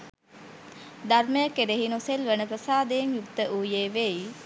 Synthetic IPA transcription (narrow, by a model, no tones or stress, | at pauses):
d̪arməjəkeɾeɦinoselʋenəpɾəsaːd̪ejmjukt̪əʔuːjeːʋei